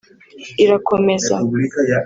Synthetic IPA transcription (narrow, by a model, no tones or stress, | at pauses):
iɾakʰomɛza̰likaja